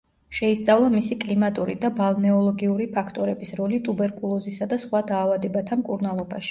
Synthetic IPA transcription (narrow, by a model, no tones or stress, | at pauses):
ʃɛist̪sʼavlˠamisikʼlimat̪ʼuɾḭd̪abalˠnɛɔlˠɔɡiuɾipʰakʰt̪ʼɔɾɛbisɾɔlit̪ʼubɛɾkʼulˠɔzisad̪asχwad̪aːvad̪ɛbat̪ʰamkʼuɾnalˠɔba̰ʃi̥